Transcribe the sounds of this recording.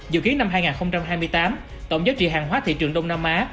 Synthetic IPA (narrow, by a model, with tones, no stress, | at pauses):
zɨ̰˧˨ki˨˦əŋnːa˧mɦaː˧jŋaː˨˩nxə˧wŋ͡mt͡ɕa˧mɦaː˧jmɨ˧əjt̪aː˨˦m | t̪ə̰˧˨wŋ͡mzaː˨˦t͡ɕḭ˧˨ɦaː˨˩ŋwaː˨˦t̪ʰḭ˧˨t͡ɕɨ˨˩əŋɗə˧wnaː˧mʔaː˨˦